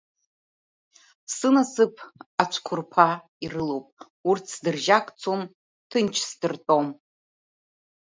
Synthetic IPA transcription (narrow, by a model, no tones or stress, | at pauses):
sɨnasɨpʰat͡ʃʷʰkʷʰʊrpʰa | irɨlowpʼ | urtʰsdɨrʒakʼt͡sʰom | tʰɨnt͡ʃʰsdɨrtʼo̞m